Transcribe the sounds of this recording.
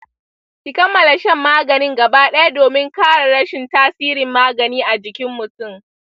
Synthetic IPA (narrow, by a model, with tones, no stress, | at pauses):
kʲɪ˦kɐ˦mːɐ˨la˨ʃɛ˦mːaː˦ɡɐ˨nɪ˦ŋɡɐ˨baː˦ɗɐ˦ja˦doː˨mɪ˦ŋkaː˦ɽa˨ɽɐ˦ʃɪ˨ntaː˦siː˦ɾɪ˨mːaː˦ɡɐ˨niː˦ʔa˨d͡ʒɪ˨kʲɪ˦mːʊ˨tʊ˦˨m